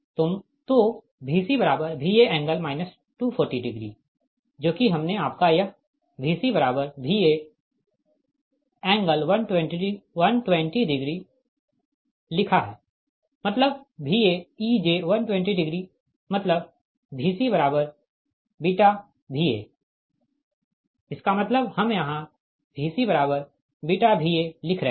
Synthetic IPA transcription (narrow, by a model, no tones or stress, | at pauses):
t̪ʊm | t̪o | bʱiːsibɐɾaːbəɾbʱieɛ̃ːŋɡəlmaːɪnəs | ʈuːpʰoːɾʈiɖɪɡɾḭː | d͡ʒoːkiɦɐmneaːp̚kajɐ | bʱiːsibɐɾaːbəɾbʱiːe | ɛ̃ːŋɡəlʋɐnʈwɛ̃ɳʈiɖiʋɐnʈwɛ̃ɳʈiɖɪɡɾi | lɪkʰaɦɛː | mɐt̪ləb̚bʱiːeid͡ʒeːʋɐnʈwɛ̃ɳʈiɖɪɡɾi | mɐt̪ləb̚ | bʱiːsibɐɾaːbəɾ | biʈa | bʱiḛː | ɪskamɐt̪ləbhɐmjɐɦã | bʱiːsibɐɾaːbəɾ | biʈabʱielɪkʰɾə